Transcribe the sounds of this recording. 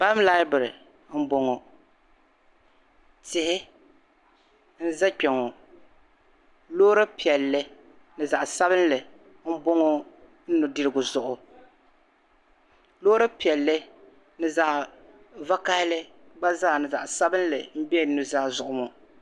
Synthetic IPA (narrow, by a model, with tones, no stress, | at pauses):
ba˦m˦la˦ɪ˦bɨ˨ɾɨ˨ | m̩˦bo˦ŋo˨ | tɪ˨hɪ˦ | n̩˦za˦k͡pɛ˨ŋo˨ | loː˦ɾɨ˦pi˨ɛ˨lːɨ˦ | nɨ˨za˨ʔsa˦bɨ˦n˦lɨ˨ | m̩˦bo˦ŋo˦ | n̩˦nʊ˨dɨ˦ɾɨ˦ɡʊ˨zʊ˨ʔʊ˨ | lo˦ɾɨ˦pi˨ɛ˨lːɨ˦ | nɨ˨za˨ʔ | va˦ka˦hɪ˦lɨ˦ | ɡ͡ba˦zaː˦˨nɨ˨za˨ʔsa˦bɨ˦n˦lɨ˨m̩˦bɛ˦˨˦nu˦zaː˦˨zʊ˨ʔʊ˦mo˨